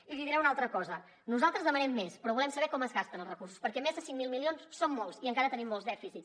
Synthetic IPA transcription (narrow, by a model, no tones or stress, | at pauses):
iliðiɾɛunalˠt̪ɾəkɔzə | nuzalˠt̪ɾəzðəmənɛmːespɾɔβulɛmsəβɛkɔməzɣast̪ənəlˠzrəkuɾsu̥spəɾkɛmezðəsiŋmilˠmilionssomːɔlˠsiəŋkaɾət̪ənimːɔlˠzðɛfisit͡s